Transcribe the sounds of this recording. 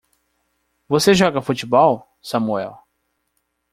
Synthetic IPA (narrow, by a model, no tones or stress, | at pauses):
voseʒɔɡɐfut͡ʃibɔw | sɐmuɛ̰w